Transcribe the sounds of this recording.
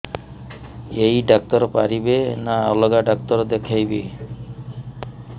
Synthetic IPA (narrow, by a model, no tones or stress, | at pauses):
ejɖak̚t̪ɔɾpaɾibenaɔlɔɡaɖɔk̚t̪ɔɾd̪ekʰajbe